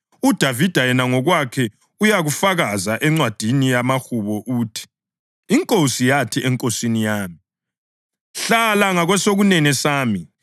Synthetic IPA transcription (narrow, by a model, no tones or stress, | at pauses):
ud̥ʱavid̥ʱajɛnaŋɔɣwakʰɛ | ujaɣufaɣazaʔɛŋ͡ǀwad̥ʱinijamaxuβɔʔuːtʰi̥ː | ŋkʼosijatʰiʔɛŋkʼosinijaːmi | ɬalaŋaɣwɛsoɣunɛnɛsaːmi